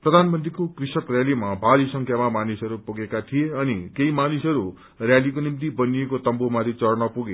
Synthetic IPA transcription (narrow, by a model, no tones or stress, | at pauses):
prʌd̪ʱanmʌnt̪rikokrisʌkrjalimabʱaɾisʌŋkʰjamamanisʌɾupuɡekat̪ʰijeʌnikeimanisʌɾu | rjalikonimt̪̬ibʌnijekot̪ʌmbomaɾit͡sʌrnʌpuɡe